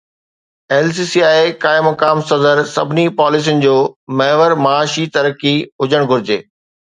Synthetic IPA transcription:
eːlsiːsiaːekaːɪmɐkaːmsɐzəɾsɐ̰bʱɪnipaːlɪs̬ijʊnɪ̆d͡ʑoːmɐɦɪʋəɾmaaːʃit̪ɐɾkiʊd͡ʑəɽ̃ɡʱʊɾɪd͡ʑḛː

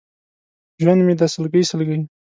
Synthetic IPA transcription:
ʒwand̪med̪asəlɡəjsəlɡəj

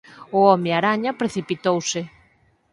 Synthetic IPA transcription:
ʊɔmɪaɾaɲɐpɾeθipit̪owsɪ

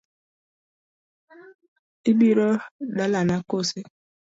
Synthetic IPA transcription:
ibiɾɔdalanakose

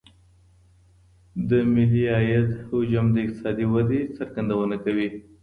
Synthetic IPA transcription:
d̪əmɪliɑjat̪hʊd͡ʒamd̪əɪq̚t̪ɪ̥sɑd̪iwad̪et͡saɾɡand̪awənakawi

